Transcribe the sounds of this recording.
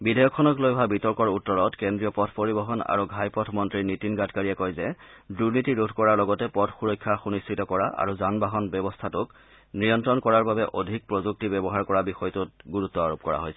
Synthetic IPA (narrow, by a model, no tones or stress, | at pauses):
bidajɔkʰːɔnɔklojʱabitɔɹkɔɹutːɔɹɔtkɛndɹijɔpɔtʰpoɹibɔɦɔna̰ɹuɡʱajpɔtʰmɔntɹiɹnitinɡatkaɹiɛkɔjzɛ | duɹnitiɹudʱkɔɹaɹlɔɡɔtɛpɔtʰxuɹɔjkʰːaxunistɹitɔkɔɹaa̰ɹuzanbaɦɔnbɛbɔstʰatʊk | nɹijɔntɹɔnkɔɹaɹbabɛʔodʱik̚pɹɔzuk̚tibɛbɔɦaɹkɔɹabixɔjtʊtɡuɹutːɔaɹop̚kɔɹa̰ɦojsɛ